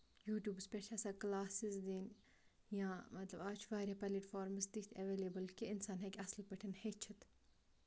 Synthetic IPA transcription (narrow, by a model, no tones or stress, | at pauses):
juːʈʲjuːbspʲeʃʰɐsaːklaːsizd̪iːn | jãːmɐt̪lɐbaːt͡ʃʰʋaːɾʲjaːpɐliʈfaːɾmsd̪it̪ʰɐʋeːleːbəlkiɪnsaːnɦekʲɐslpɐʈʰɐnhet͡ʃʰit̪